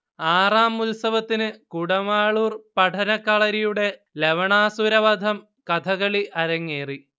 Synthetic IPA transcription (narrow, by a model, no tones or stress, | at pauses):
aːraːmulsɐʋɐt̪ːinɨkuɽɐmaːɭuːrpɐʈʰɐnɐkːɐɭɐɾijuɽe̞ | leʋɐɳaːsuɾɐʋɐd̪ʱɐm | kɐt̪ʰɐɣɐɭiʔɐɾɐŋːeːri